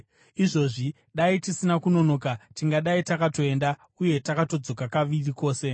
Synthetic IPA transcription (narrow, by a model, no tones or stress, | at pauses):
iʐo̞ʐi | ɗaitisinakuno̞no̞ːkatiŋɡaɗaitakato̞e̞nda | uje̞takato̞d͡zo̞kakaʋiriko̞ːse̞